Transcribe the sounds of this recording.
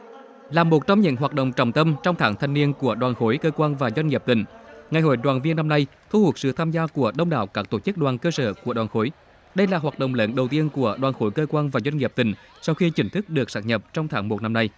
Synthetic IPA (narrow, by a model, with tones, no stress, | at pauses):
laː˨˩mo˨˩t̚t͡ɕɔ˧wŋ͡mɲɨ̰˧˥ŋɦwaː˨˩t̚ɗə̰˧˨ŋ͡mt͡ɕɔ̰˧˨wŋ͡mt̪ə˧mt͡ɕɔ˧wŋ͡mt̪ʰaː˨˦ŋt̪ʰa˨˩ŋ̟ni˧ənku˧˩əɗwaː˨˩nxo˨˦jkəː˧kwaː˧nvaː˨˩zwa˧jŋ̟ŋi˨˩p̚t̪ï˨˩ŋ̟ŋa˨˩jɦo̰˧˩jɗwaː˨˩nvi˧ənːa˧mna˧jt̪ʰu˧hu˨˩ət̚sɨ̰˧˨t̪ʰaː˧mzaː˧ku˧˩əɗə˧wŋ͡mɗa̰ː˧˩wkaː˦˥k̚t̪o˧˩t͡ɕɨ˦˥k̚ɗwaː˨˩nkəː˧səː˧˩ku˧˩əɗwaː˨˩xo˨˦j | ɗə˧jlaː˨˩ɦwaː˨˩t̚ɗo̰˧˨wŋ͡mləː˨˦nɗə˨˩wt̪i˧ənku˧˩əɗwaː˨˩nxo˨˦jkəː˧kwaː˧nvaː˨˩zwa˧jŋ̟ŋi˨˩p̚t̪ï˨˩ŋ̟ | sa˧wxi˧t͡ɕï˨˦ŋ̟t̪ʰɨ˦˥k̚ɗɨ˨˩ək̚saː˦˥ɲə˨˩p̚t͡ɕɔ˧wŋ͡mt̪ʰaː˨˦ŋmo˨˩t̚na˧mna˧j